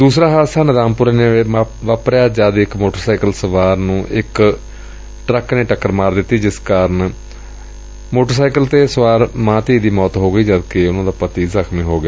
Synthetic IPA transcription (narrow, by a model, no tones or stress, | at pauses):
d̪uːsɾaːɦaːsaːnəd̪aːmpʊɾeneʋaːpɾjaːd͡ʒaːd̪ɪkmoːʈəɾsaːikəlsəʋaːɾnũːʔɪk | ʈɾəkneːʈəkːəɾmaːɾd̪ɪt̪ːiːd͡ʒɪskaːɾən | moːʈəɾsaːikəlt̪eːsəʋaːɾmãːt̪iːd̪iːmɔːt̪ɦoːɡəiːd͡ʒəd̪keʊnãːd̪aːpət̪iːzəkʰmĩːɦoːɡeː